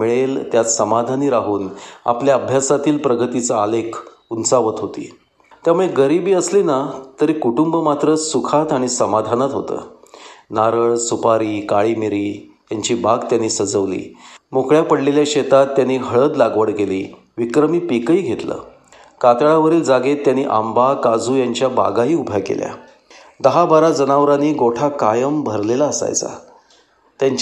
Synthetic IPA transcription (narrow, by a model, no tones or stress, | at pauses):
miɭelt̪jat̪səmad̪ʱaniːɾaɦuːna̰pljaəbʱjasat̪iːlpɾəɡət̪it͡səalekʰ | unsaʋət̪ɦot̪ḭː | t̪jamuɭeɡəɾibiːəsliːnat̪əɾiːkuʈumbəmat̪ɾəsukʰat̪aɽ̃isəmad̪ʱanət̪ɦo̰t̪ə̰ːnaɾəɭsupaɾiːkaɭiːmiɾiː | j̪jaɲt͡ɕiːbʱaɡt̪janːiːsəd͡zəʋlḭːmukɭjapəɽleljaɕet̪at̪ːjanːiːɦəɭəd̪laɡʋəɽkeliː | ʋikɾəmiːpikəiːɡʱet̪lə̰ː | kat̪ɭaʋəɾiːld͡zaɡet̪ːjanːiːʔambakad͡zuːjaɲt͡ɕjaba̰ɡaɦiːubʱjakḛlja̰ | d̪əɦabaɾad͡zənaʋɾaniːɡoʈʰakajəmbʱəɾlelaəsa̰jt͡sa̰ | t̪jaɲt͡ɕ